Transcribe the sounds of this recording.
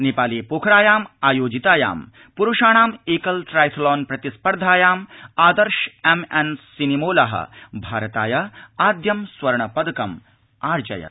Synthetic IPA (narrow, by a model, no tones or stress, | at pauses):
nipaːliːpoːkʰɾaːjaːmaːjoːd͡ʒit̪aːja̰ːm | puɾuʃaːɳ̃aːmeːkɐlʈɾaːjt̪ʰlɔːnpɾɐt̪ispɐɾd̪ʱaːjaːmaːd̪ɐɾʃemensinimoːlɐɦɐ̰bʱaːɾɐt̪a̰ːjɐaːd̪jɐmsʋɐɾɳɐpɐd̪ɐkɐm | aːɾd͡ʒɐ̰jɐ̰